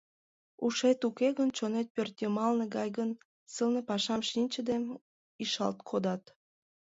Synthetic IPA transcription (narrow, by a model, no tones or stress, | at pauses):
uʃet̪ukeɣənt͡ɕonet̪̚pørt̪jəmɑlneɡɑjɣən | səlnepɑʃɑmʃinʲt͡ɕəd̪em | iʃɑ̰lt̪kʰod̪ɑt̪